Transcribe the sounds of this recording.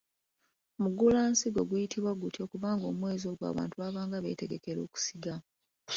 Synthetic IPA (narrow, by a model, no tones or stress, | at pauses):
muɡulaːnsiɡo̞ɡujitʰiβwaɡutjo̞ːkuβaːŋɡo̞ːmwe̞ːzo̞ːɡwa̰ːβa̰ːntuaβaːŋɡaβe̞̰ːte̞ɡe̞ke̞ɾo̞̰ːku̥siɡa